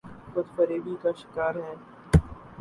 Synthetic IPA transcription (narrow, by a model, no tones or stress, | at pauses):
xʊd̪fəɾeːbiːkaːʃɪ̥kaːɾɦɛ̃ː